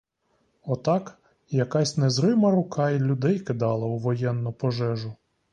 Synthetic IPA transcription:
ɔt̪ɑk | jɐkɑsʲnɛzɾɪmɐɾʊkɑilʲʊd̪ɛjkɪd̪ɑlˠɐuʋɔjɛnːʊpɔʒɛʒʊ

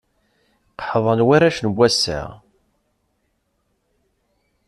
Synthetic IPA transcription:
qħðˤɑnwæɾæʃnbʷːæsːæ̰

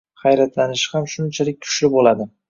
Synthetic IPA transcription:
χɑjɾat̪lanɪʃhamʃʊnt͡ʃʰalɪk̚ʲkʰʊ̥ʃlɪbolad̪ɪ

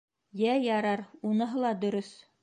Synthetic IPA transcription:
jæjɑɾɑɾunɤ̆ɦɤlˠɑd̪ɵ̆ɾɵs

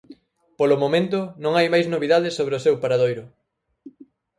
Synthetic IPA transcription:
polʊmomẽnt̪ʊnõŋajmajznoβiðaðɪsoβɾeosewpaɾaðojɾʊ

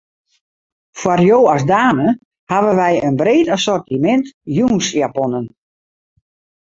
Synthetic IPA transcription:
fwarjoːasdaːnə | haʋəʋɛjənbreːtasɔrtimɛntjuːnsjapɔnən

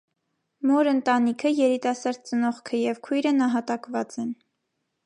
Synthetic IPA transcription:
mɔɾənt̪ɑnikʰəjɛɾit̪ɑsɑɾd̪̚t͡sənɔʁkʰəjɛvkʰujɾənɑɦɑt̪ɑkvɑt͡sɛn

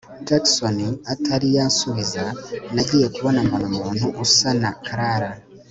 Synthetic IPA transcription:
d͡ʒakso̞niatʰaɾijasuβizanaɟiːje̞kuβo̞nambanamuːn̥huʔusanakʰaɾaɾa

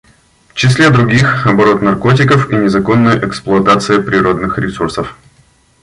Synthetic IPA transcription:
ft͡ɕɪsʲlʲed̪ɾʊɡʲixɐbɐɾo̞t̪nɐrko̞tʲɪkəfinʲɪzɐko̞nːʊjʊʔɛksplˠʊɐt̪at̪sɨjɪpɾʲɪɾo̞d̪nɨxɾʲɪsursəf

